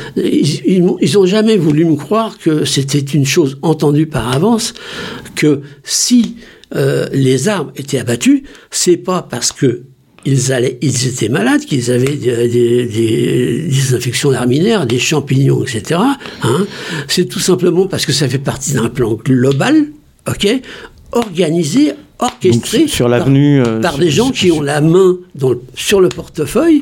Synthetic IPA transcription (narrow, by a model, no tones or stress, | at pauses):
iilmɔ̃ilzɔ̃ʒamɛvulyməkχwaʁkəset̪̬ɛt̪ynʃozɑ̃t̪ɑ̃d̪ypaʁavɑ̃skʰəsiølezaʁmet̪ɛabat̪ysɛpapaʁsə̥kə | ilzalɛilzet̪ʰɛmalad̪kilzavɛd̪d̪ed̪ed̪ezɛ̃fɛksjɔ̃d̪aʁminɛʁd̪eʃɑ̃piɲɔ̃ɛkset̪eʁaɛ̃sɛt̪usɛ̃pləmɑ̃paʁsə̥kəsafɛpaʁt̪id̪ɛ̃plɑ̃ɡlɔbal | ɔkʲe | ɔʁɡanizeɔʁkʲɛst̪χesʁlaavnypaʁd̪eʒɑ̃kʰʲiɔ̃lamɛ̃d̪ɑ̃ləsyʁləpɔʁt̪əfœj